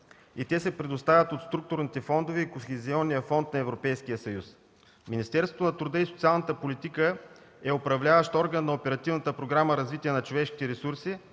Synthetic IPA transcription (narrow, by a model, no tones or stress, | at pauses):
it̪ɛsɛpɾɛd̪ʊst̪avʲət̪ot̪st̪ɾuk̚t̪ʊɾnit̪ɛfɔnd̪ovɛikoxɛziɔnːijəfɔnt̪nɐɛvɾopɛjsk̟ijəsɐjus | minist̪ɛɾsvo̥t̪onɐt̪ɾʊd̪əisot̪sialˠnət̪əpolit̪ikə | ɛopɾɐvlʲavəʃt̪ɔɾɡənːɐopɛɾɐt̪ivnət̪əpɾoɡɾaməɾɐzvit̪iɛnɐt͡ʃovɛʃki̥t̪ɛɾɛsuɾsi